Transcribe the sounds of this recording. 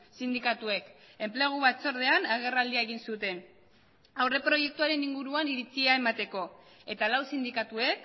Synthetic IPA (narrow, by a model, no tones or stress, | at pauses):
sind̪ikat̪ue̞k | e̞mple̞ɣ̞uβat͡so̞ɾð̞e̞anaɣ̞e̞rald̪iaeɣ̞insut̪e̞n | awre̞pɾo̞je̞k̚t̪uaɾe̞niŋɡuɾuaniɾit͡siae̞mat̪e̞ko̞ | e̞t̪alawsind̪ikat̪ue̞k